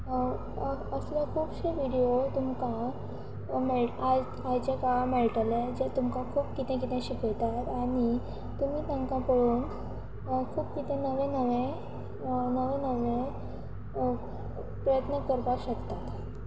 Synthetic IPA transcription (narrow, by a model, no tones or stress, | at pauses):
əsljakʰuːbɕeʋiɽijot̪umka | meɭad͡z | ajt͡ɕekameɭʈəled͡ʑet̪umkakʰuːpkit̪ɛ̃k̬it̪ɛ̃ɕikəjt̪at̪aɽ̃i | t̪um̤iːt̪ãŋkapəɽuːn | kʰuːpkit̪ẽnəʋẽnəʋẽ | nəʋẽnəʋẽ | pɾəjət̪nəkəɾt̪aɕəkt̪at̪